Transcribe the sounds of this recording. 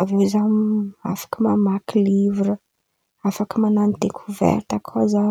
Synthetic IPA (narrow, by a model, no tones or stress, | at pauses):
avewzama̰fḁkəmamakilivɾə | afakəmananid̪ekʰuvɛ̰ɾt̪akʰoza